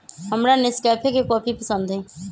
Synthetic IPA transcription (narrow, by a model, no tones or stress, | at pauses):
ɦəmɾanɪskɛːpʰekekɔːpʰipəsə̃nd̪ɦɛ̃ː